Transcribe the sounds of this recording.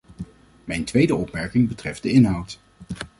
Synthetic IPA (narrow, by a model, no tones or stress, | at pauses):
mɛjntʋejdəɔpmɛɹkɪŋbətrɛfd̚dəɪnɦʌwt